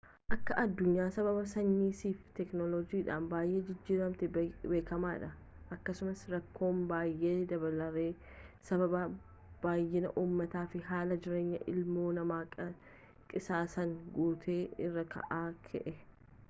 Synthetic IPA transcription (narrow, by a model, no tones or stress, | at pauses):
ʔɐkːɐʔɐd̪ːʊɲːaːsɐbɐbɐsɐɲːiːsiːft̪ɛknɔlɔd͡ʒiːᶑa̰ːnbaːjʔe̞ːd͡ʒɪd͡ʒːiːɾɐmt̪ɛbe̞ːkɐmaːᶑɐ | ʔɐkːɐsʊmɐsɾɐkːo̞ːmbaːjʔeːd̪ɐbɐlɐɾeː | sɐβɐbɐ | b̥aːjːɪnɐʔuːmːɐt̪aːfɪɦaːlɐd͡ʒɪɾe̞ːɲːɐ̰ʔɪ̰lmo̞ːnɐmaːkʼɐ | kʼɪsaːsɐŋɡuːt̪ʰe̞ːɪrːɐkʰɐ̰ʔaːkʰɛ̰ʔɛ